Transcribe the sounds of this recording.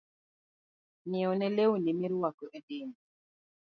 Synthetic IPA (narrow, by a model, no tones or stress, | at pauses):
niɔnelewunimiɾwakoʔədiːmi